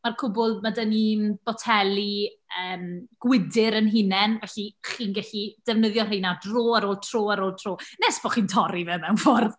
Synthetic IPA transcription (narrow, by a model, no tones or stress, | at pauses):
markʰʊbʊlˠmadənib̥ɔtʰɛlˠiəːmɡ̥wɪdɪɾənɦɪnɛnvɛɬiχiːnɡɛɬid̥ɛvnəðjɔrejnadroːaɾoːlˠtʰr̥oːaɾoːlˠtʰroːnɛsv̥ɔχiːntʰɔɾivɛmɛwnfɔrð